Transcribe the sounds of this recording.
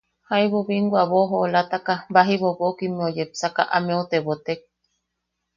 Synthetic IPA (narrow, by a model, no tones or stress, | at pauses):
hajβoβiŋɡwaβoɦoːlat̪akabaɦiβoβokimeojepsaka̰ʔamẽut̪eβot̪ek̚